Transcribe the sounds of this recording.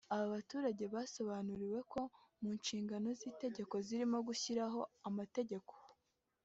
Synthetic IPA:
aβaβatuːɾaɟe̞βaːso̞βanuɾiwe̞kʰo̞muːnʃiːŋɡano̞ziːte̞ɟe̞ko̞ziɾimo̞ɡuçiɾaɦo̞amate̞ɟe̞ko̞̥

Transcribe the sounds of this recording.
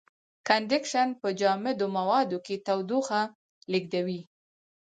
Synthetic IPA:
kanɖɪkʃanpəd͡ʒɑmɪd̪omawɑd̪oket̪awd̪uxa | liɡ̚d̪awi

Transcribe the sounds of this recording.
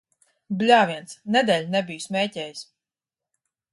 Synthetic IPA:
blʲaːviɛnt̪snɛd̪ɛːlʲnɛbijusmʲɛːcɛːjis

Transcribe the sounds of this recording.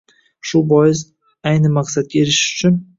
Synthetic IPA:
ʃʊbɒjɪz | ajnɪmaqsad̪̚ɡʲaeɾɪʃʊ̥t͡ʃʰʊn

